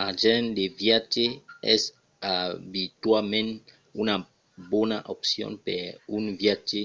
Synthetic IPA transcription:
aʒɛ̃ndevjat͡ʃeɛ̰s | abitwamɛ̃n | una | bɔnaʔopsjɔ̰̃npɛunvjat͡ʃe

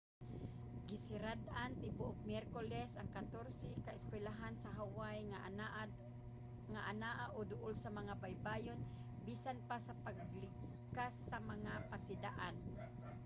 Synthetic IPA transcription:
ɡɪsɪɾad̪ʔant̪ɪbʊʔʊk̚mjɛɾkolɛsaŋkat̪oɾsɛkaʔɪskwɛlaɦansaɦawaj | ŋaʔanaʔaʔod̪ʊʔʊlsamaŋabajbaːjon | bisanpasapaɡlɪ | kasːamaŋapasɪd̪aʔan

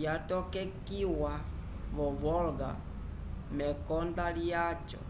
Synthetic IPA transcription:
jatɔkɛkiwa | βɔβɔlɡa̰ | mɛkɔndalijat͡ʃɔ̰

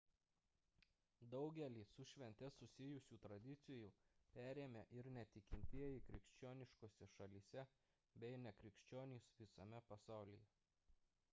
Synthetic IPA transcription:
d̪ɒʊɡʲɛlʲiːsʊʃʲʋʲɛnʲt̪ʲɛsʊsʲɪjʊsʲuːt̪ɾɐd̪ʲɪt̪sʲɪjuˑpʲæːɾʲeːmʲeːʔɪɾnʲɛt̪ʲɪkʲɪnʲt̪ʲiɛjɪkɾʲɪkʃʲt͡ʃʲoːnʲɪʃkoːsʲɛʃɐlʲiːsʲɛ | bʲɛɪnʲɛkɾʲɪkʃʲt͡ʃʲoːnʲiːsʋʲɪsɐmʲɛpɐsɑˑʊlʲijɛ

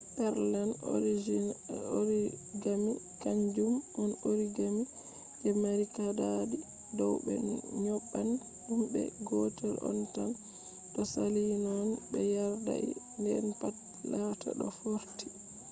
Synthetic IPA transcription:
ʔɛɾlanoɾid͡ʒiɾiɡamikaɲd͡ʒumːɔnoɾiɡami | ʔɛmaɾikadadi | dɔwbɛ̰n̰ɲɔɓːan | humbɛ̰ɡɔtɛlɔ̰ntan | ɗɔsalinɔnbɛjaɾda̰ʔḭ | ndɛɾpat | laːtʰa̰ɗɔfoɾti̥

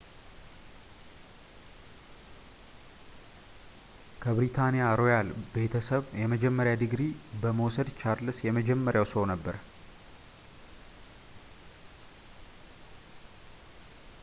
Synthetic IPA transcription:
kʰəbɾit̪ʰanijaɾo̞jalbe̞t̪ʰəsəβjɛməd͡ʒɛmːəɾjad̪ɨɡɾibəməwsəd̪t͡ʃaɾlɨsjɛməd͡ʒɛmːəɾjawsəonəbːəɾ

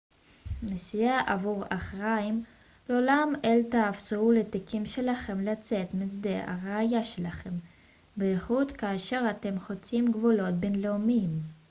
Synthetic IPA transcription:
nesijaʔavuʁaχʁaim | lolameltaːfsuulet̪ikʰimʃe̞laχe̞mlat͡se̞t̪mit͡sd̪e̞a̰ʁeajaʃe̞laχe̞m | beχut̪kaːʃe̞ʁat̪e̞mχo̞t͡simɡvulo̞t̚benleomim

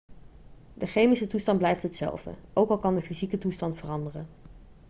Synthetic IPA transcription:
dəχejmisətustɑnblɛjftɦətsɛ̰lˠvdə̰ʔowkɑlˠkɑndəfizikətustɑntfərɑndərən

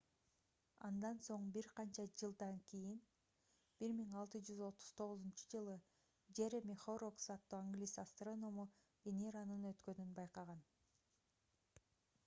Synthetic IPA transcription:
ɑ̰nd̪ɑnso̞ɴbiɾqɑnt͡ʃɑd͡ʒɯlˠd̪ɑŋkʲijin | b̥iɾmiŋɑlˠt̪ɯd͡ʒyzo̞t̪u̥z̥t̪ʰo̞ʁuzunt͡ʃɯ̥d͡ʒɯlˠɯ | d͡ʒeɾemʲiχoroksɑt̪ːuːaŋɡlʲisast̪rono̞mu | vʲenʲeɾanɯnø̞t̪kø̞nynbɑjqɑʁɑn

